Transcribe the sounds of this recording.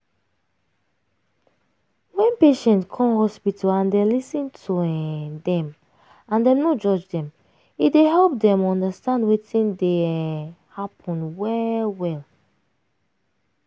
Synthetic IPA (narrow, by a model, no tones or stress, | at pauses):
wɛ̃npeʃɛ̃ntkʰɔ̃mhɔspitʰalãndɛlisĩntʰudɛ̃m | ãndɛ̃mnod͡ʒɔd͡ʒdɛ̃m | ideɦɛlˠp̚dɛ̃mɔ̃ndastãndwetĩnde | hapʰɔ̃nwɛwɛl